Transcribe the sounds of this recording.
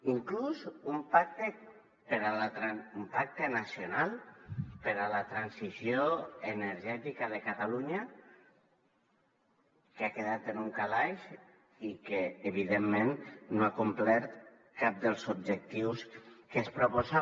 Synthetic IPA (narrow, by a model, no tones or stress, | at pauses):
iŋkluzumpak̚t̪e | peɾalat̪ɾaumpak̚t̪enasionalˠpeɾalət̪ɾansisjoeneɾʒɛt̪ikaðekat̪aluɲa | keakeðat̪enuŋkalajʃ | ikeːβiðemːẽnːoakumplɛɾt̪ | kap̚d̪elˠzub̚d͡ʒek̚t̪iwskespɾupoza